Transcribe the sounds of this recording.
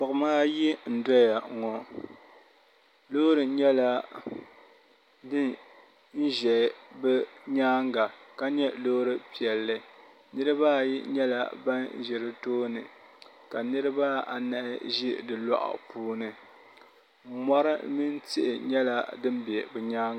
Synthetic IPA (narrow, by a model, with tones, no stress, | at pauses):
bɨ˨kɨ˨maː˦ji˦n̩˨dɔ˦ja˨ŋɔ˨ | lo˦ɾɨ˨ɲɛ˦la˦ | dɨ˦ | n̩˦ʒɛ˨bɛ˦ɲaː˦ŋɡa˨ka˦ɲɛ˦loː˦ɾɨ˦pi˨ɛ˨lːɨ˦ | nɨ˦ɾɨ˦ba˦ji˦ɲɛ˦la̰˨ba˦n˦ʒɛ˨ɾɨ˦toː˦nɨ˨ | ka˨nɨ˦ɾɨ˦ba˦a̰˨nɨ˨ʔɪ̰˦ʒi˦dɨ˨la̰˦ʔʊ̰˨puː˦nɨ˨˦ | mɔ˦ɾɨ˦mi˦nti˦ʔɪ˨ɲɛ˦la˦dɨ˦mbjɛ˨bɛ˨ɲaː˦ŋ˨